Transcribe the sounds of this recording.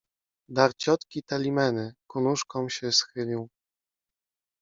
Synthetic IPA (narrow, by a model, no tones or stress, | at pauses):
d̪aɾt͡ɕɔt̪kʲit̪alʲimɛnɘkunuʂkɔ̃wɕɛsxɘlʲiw